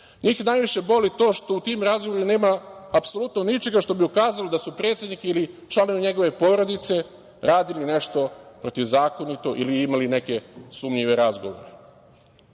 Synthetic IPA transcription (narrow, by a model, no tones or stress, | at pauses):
ɲiːxnajʋiʃe̞bo̞lit̪o̞ːʃt̪o̞ut̪imɾazɡoʋoɾine̞ːmaːpso̞lut̪nonit͡ʃe̞ɡaʃt̪o̞biukaːzalod̪asupɾe̞t̪sʲe̞d̪nikiilit͡ʃlˠanoʋiɲe̞ɡo̞ʋe̞po̞ɾo̞d̪it̪se̞ | ɾaːd̪iline̞ʃt̪o̞pɾo̞t̪iʋzaːko̞nit̪o̞ʔiliimaline̞ke̞suːmʎiʋe̞ɾazɡoʋo̰ɾe